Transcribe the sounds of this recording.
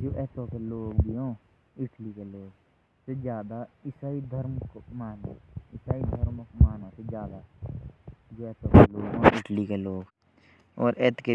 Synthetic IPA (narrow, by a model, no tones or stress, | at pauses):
d͡ʒoːʔɛːt̪õːkeloːɡbʱiːɦõː | ɪʈliːkeːloːɡ | sed͡ʒjaːd̪aːɪsaːid̪ʱəɾmkmaːnã̰ːɪsaːid̪ʱəɾmkmaːnãːsed͡ʒjaːd̪aː | d͡ʒoːɛːt̪oːkeloːɡɦõːʔɪʈliːkeːloːɡ | ɔːɾɛːt̪ke